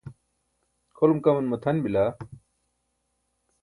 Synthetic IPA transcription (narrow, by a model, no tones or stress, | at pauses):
kʰolumkɐmɐnmɐt̪ʰɐnbila